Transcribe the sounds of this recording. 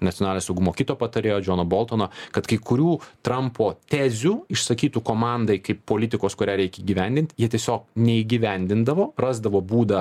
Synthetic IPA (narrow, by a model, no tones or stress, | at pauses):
nɐtt͡sʲɪoɔnɑlʲnʲoːsɐʊɡʊmoːkʲɪt̪oːpɐt̪ɐɾʲeːjoːd͡ʒʲoːnoːboːlˠt̪oːnokɐt̪kɐɪkʊɾʲuːt̪ɾɐmpʰoːt̪ʲæːzʲuɪʃsɐkʲiːt̪ukoːmɑnd̪ɐɪkɐɪppːoːlʲɪt̪ʲɪkoːskʊɾʲæːɾʲɛɪkʲiːɡʲiʋʲɛnʲd̪ʲɪnt̪ʲjiɛt̪ʲiɛsʲoːk̚nʲɛiːɡʲiʋʲænʲd̪ʲɪnd̪ɐʋoːrɑːzd̪ɐʋoːbuːd̪ɐ